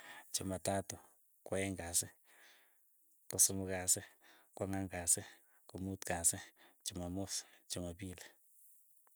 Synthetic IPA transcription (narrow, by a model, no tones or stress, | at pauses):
t͡ʃʊmatatʊ | kwaɛŋɡasɪ | kʊsʊmʊkasɪkwaŋaŋkasɪ | kumutkasɪt͡ʃomamost͡ʃomabila